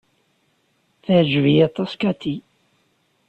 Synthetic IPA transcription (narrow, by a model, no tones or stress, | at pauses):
θəʕd͡ʒvijat̪ˤːɑskat̪i